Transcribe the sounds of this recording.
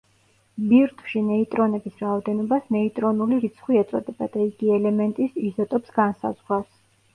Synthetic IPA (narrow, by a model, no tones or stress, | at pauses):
biɾt̪ʰʼwʃinɛit̪ʼɾɔnɛbisɾaɔd̪ɛnɔbasnɛit̪ʼɾɔnuliɾit̪sʰχwiɛt̪sʼɔ̰d̪ɛbad̪̥aiɡiɛlɛmɛnt̪ʼisizɔt̪ʼɔpsɡansa̰zʁɾas